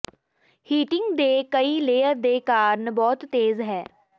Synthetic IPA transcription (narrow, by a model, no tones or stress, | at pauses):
hiːʈɪŋɡd̪eːkəiːleːəɾd̪eːkaːɾənbɔːt̪ːeːzɦɛː